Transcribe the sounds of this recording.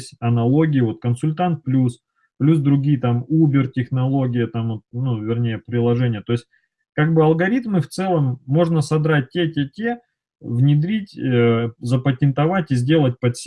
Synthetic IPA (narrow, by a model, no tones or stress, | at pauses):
sʲtʲɐnɐlˠo̞ɡʲɪjɪvo̞t̪̚kənsʊlʲt̪ant̪̚plʲus | plʲus̬d̪ɾʊɡʲijt̪amubʲɪrtʲɪxnɐlˠo̞ɡʲɪjət̪amot̪̚nuvʲɪrnʲejəpɾʲɪlˠɐʐɛnʲɪjət̪o̞ɪsʲt̚ʲ | kaɡ̚bɨɐlˠɡɐɾʲit̪mɨft̪sɛlˠəmːo̞ʐnəsɐbɾat̚ʲtʲːetʲetʲe | vnʲɪd̪ɾʲitʲː | zəpətʲɪnt̪ɐvatʲɪzʲdʲe̞lˠət̚ʲpɐt̪sʲ